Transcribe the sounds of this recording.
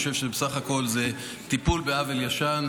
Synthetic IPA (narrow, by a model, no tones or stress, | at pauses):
oʃe̞vʃebesaχako̞lze | t̪ipulbeaveljaʃan